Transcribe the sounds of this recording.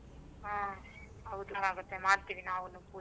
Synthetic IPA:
ɦaː | ɐʋd̪uɾaːɡut̪ːemaːɾt̪iːʋinaːʋunuːpuː

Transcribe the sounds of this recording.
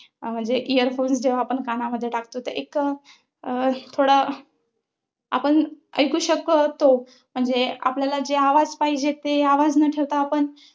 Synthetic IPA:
m̤əɳd͡zeʔijəɾfonsd͡ʑeʋ̤aːpəɳkanaməd̪ʱːjeʈakt̪ot̪əʔek | t̪ʰoɽə | a̰pəɳə̰jkuːɕəkt̪o | m̤əɳd͡zea̰pljalad͡zeaʋad͡zpaɦid͡ʑet̪eaʋad͡znaʈʰeʋt̪aːpəɳ

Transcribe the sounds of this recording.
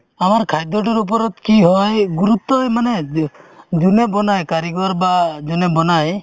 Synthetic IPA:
amaɾkʰajd̪ɔʈ̬ɔɾup̬ɔɾɔt̪kiɦɔjɡuɾut̪ːɔjmane | d͡ʒunebɔnajkaɾiɡɔɾbad͡ʒunebɔnaj

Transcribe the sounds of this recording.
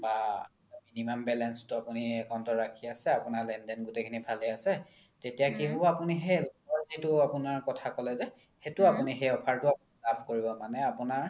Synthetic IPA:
ba | minimambɛlɛnstʊapuniɛkawntɔɹakʰiasɛapʊnaɹlɛndɛnɡutekʰinibʱalɛasɛ | tetijakiɦʊapuniɦelɔɡɔɹzitʊapunaɹkɔtʰakɔlɛzɛ | xetʊapuniɦejɔpʰaɹtʊap | labʰʱkoɹibɔmanɛapʊnaɹ

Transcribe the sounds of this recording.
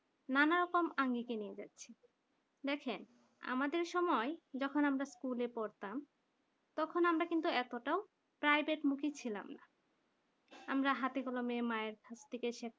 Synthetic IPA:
nanaɾɔkomaŋɡikenijed͡ʑa̰tːɕʰi | d̪ɛkʰen | a̰mad̪eɾʃɔmɔed͡ʑɔkʰonamɾaskulepɔɾt̪am | t̪ɔkʰonamɾakint̪uɛt̪oʈao | pɾajbeʈmukʰit͡ɕʰila̰mna̰ | amɾaɦat̪eɡɔlomemaeɾkʰast̪ʰikeʃek

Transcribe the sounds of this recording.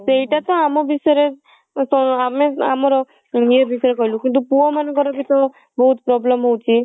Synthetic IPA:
sejʈat̪ɔamobʱisɔɾe | sɔamea̰mɔɾɔ | iebʱisɔɾekɔɦilukint̪̬upuɔmaneɡɔɾɔbit̪ɔ | bɔɦut̪pɾɔblemɦowt͡ʃʰi

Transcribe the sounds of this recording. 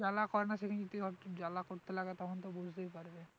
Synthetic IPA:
d͡ʒalakɔɾenaʃekʰaned͡ʑod̪iɦɔʈud͡ʑalakoɾt̪elaɡet̪ɔkʰont̪obud͡ʑʱt̪ejpaɾbe

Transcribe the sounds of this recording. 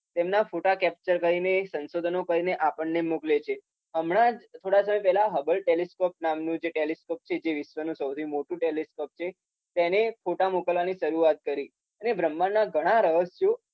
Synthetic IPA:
t̪emnafoʈakɛp̚t͡ʃəɾkəɾinesənsod̪ʱənokəɾineʔapəɳːemuklet͡ʃʰe | ɦəmɽ̃ad͡ʒt̪ʰoɽasəməjpɛɦlaɦəbəlʈeleskop̚namnũd͡ʒeʈeleskop̚t͡ʃʰed͡ʒeʋɪsʋənũsəwt̪ʰimoʈũʈeleskop̚t͡ʃʰe | t̪enefʰoʈamukəlʋaniʃəɾuat̪̚kəɾi | ənebɾəmːanaɡʱəɽ̃aɾəɦəsjo

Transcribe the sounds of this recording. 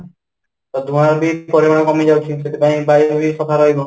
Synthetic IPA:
t̪ɔd̪ʱũaɾbipɔɾimaɽ̃ɔkɔmid͡ʒawt͡ʃʰiset̪ʰipãĩbajɔbisɔt̪ʰaɾɔɦibɔ

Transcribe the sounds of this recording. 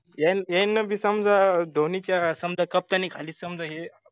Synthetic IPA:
jɛnjɛnːəbʱisəmd͡zad̪ʱonit͡ɕjasəmd͡zakəp̚t̪anikʰaliːssəmd͡zaɦe

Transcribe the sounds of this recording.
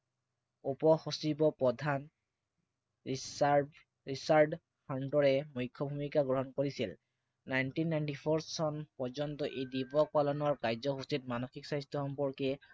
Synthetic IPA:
upɔxosibɔpɹɔdʱan | ɹisaɹɖ | haɳʈɔɹɛmujkʰːɔbʱumikaɡɹɔɦɔnkoɹisil | najntinːajntipʰɔɹsɔnpɔɹzɔntɔʔedibɔk̚palɔnwaɹkajzɔɦusitmanoxiksajstʰɔxɔmpɔɹkɛ

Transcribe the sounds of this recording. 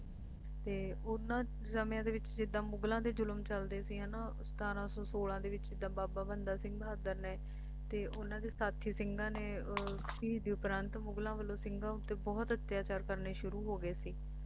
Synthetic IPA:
t̪eːʊnãː | səmjãːd̪eːʋɪt͡ʃd͡ʒɪd̪ãːmʊɡlãːd̪eːd͡ʒʊləmt͡ʃəld̪eːsiːɦɛnaː | st̪ʰaːɾãːsɔːsoːlãːd̪eːʋɪt͡ʃd͡ʒɪd̪ãːbaːbaːbənd̪aːsɪ̃ŋɡ̚bəɦaːd̪əɾneː | t̪eːʔʊnãːd̪iːsaːt̪ʰːiːsɪŋɡãːneː | ʃiːd̪iːʊpɾãːnt̪mʊɡlãːʋəlːoːsɪŋɡãːʊt̪ːeːbɔːt̪ət̪ːjaːt͡ʃaːɾkəɾneːʃʊɾuːɦoːɡeːsiː

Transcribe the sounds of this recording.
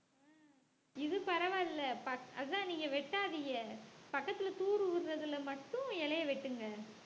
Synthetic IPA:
ɪðɯpɐɾɐʋaːlɪlɐpɐɐðɯt̪ãːniːŋɡɐʋɛʈːaːðɪjɐpɐkːɐt̪ːɪlɐt̪uːɾɯʋɯɾɾɐðɪlmɐʈːʊ̃ɛlɐjɐʋɪʈːɯŋɡɐ

